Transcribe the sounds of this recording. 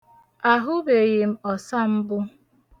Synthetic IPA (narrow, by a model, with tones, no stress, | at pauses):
a˨ɦʊ˦be˨ɣɪ˨m̩˦ɔ˨sa˦m̩˦bʊ˦